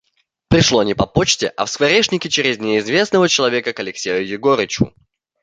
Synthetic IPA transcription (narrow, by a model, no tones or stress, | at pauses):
pɾʲɪʂlˠonʲɪpɐpot͡ɕtʲɪʔɐ̰fskvɐɾʲeʂnʲɪkʲɪt͡ɕeɾʲɪzʲnʲɪɪzvʲe̞snəvət͡ɕɪlˠɐvʲekəkɐlʲɪksʲejʊjɪɡoɾʲɪt͡ɕʊ̰